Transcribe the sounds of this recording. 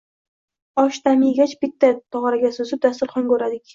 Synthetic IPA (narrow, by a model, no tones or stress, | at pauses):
ɒʃt̪ʰamɪjɡʲat͡ʃbɪt̪ʰːat̪ʰɒʁɑɾaɡʲasɵzɪp̚d̪ast̪ɪɾχɒŋkɵɾad̪ɪkʲ